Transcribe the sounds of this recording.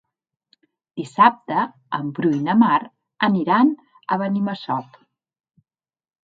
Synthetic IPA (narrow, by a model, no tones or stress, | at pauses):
d̪isap̚t̪ə | əmbɾujnəmaɾ | əniɾan | ə̰βəniməsɔp